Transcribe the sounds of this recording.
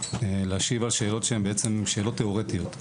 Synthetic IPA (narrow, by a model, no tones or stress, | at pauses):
leaʃivalʃe̞ːlo̞t̪ʃeembeet͡semʃe̞ːlo̞tːeoʁet̪ijo̞t̪